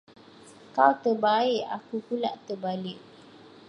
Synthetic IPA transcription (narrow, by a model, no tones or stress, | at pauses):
kawt̪ərbaɪʔa̰kupula̰ʔt̪əbalɪʔ̚